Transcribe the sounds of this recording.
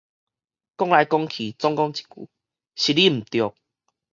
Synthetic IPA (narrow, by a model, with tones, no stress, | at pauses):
kɔ˦ŋla˨˧˦jkɔ˦ŋkʰi˨t͡sɔ˦ŋkɔ˧˦ŋt͡ɕi̥˨˩kṵ˨˦ | ɕi˨li˦m̩˨˩t̪jɔ˨k̚